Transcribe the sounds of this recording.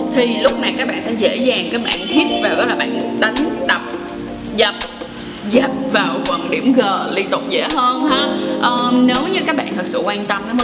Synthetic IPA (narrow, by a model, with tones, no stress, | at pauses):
t̪ʰi˨˩lʊ˦˥k͡p̚na˨˩jkaː˦˥k̚ɓa̰ː˧˨nsɛ̰˧˥zḛ˧˥zaː˨˩ŋkaː˦˥k̚ɓa̰ː˧˨nhi˦˥t̚vaː˨˩wɣɔ˨˦jlaː˨˩ɓa̰ː˧˨nɗa˨˦jŋɗa˨˩p̚ | zə˨˩p̚ | zɛ˨˩p̚vaː˨˩wkwə˨˩nɗi˧˩əmɣəː˨˩li˧nt̪ʊ˨˩k͡p̚zḛ˧˥ɦəː˧nhaː˨˧˦ʔəː˨˩ne˨˦wɲɨ˧˥kaː˦˥k̚ɓa̰ː˧˨nt̪ʰɨ˨˩t̚sɨ̰˧˨kwaː˧nt̪ə˧mnɔ˨˦m˧˦